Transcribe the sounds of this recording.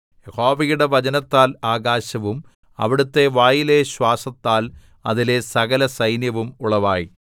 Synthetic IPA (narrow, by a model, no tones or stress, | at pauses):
jeho̞ːʋɐjuɽeʋɐd͡ʑɐnɐt̪ːaːlaːɡaːɕɐʋum | ɐ̰ʋiɽut̪ːe̞ʋaːjileɕwaːsɐt̪ːaːl | ɐ̰ðile̞sɐɣɐlɐsɐjnjɐʋumuɭɐʋaːji